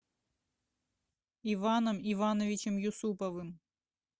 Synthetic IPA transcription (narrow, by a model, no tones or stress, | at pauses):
ivanɐmivanɐvʲit͡ʃɛmjusupɐvɨm